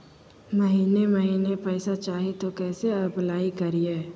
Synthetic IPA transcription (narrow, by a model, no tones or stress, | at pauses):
məɦiːneməɦiːnepɛːsat͡ʃaːɦet̪okɛːseɐplaːikɐɾieː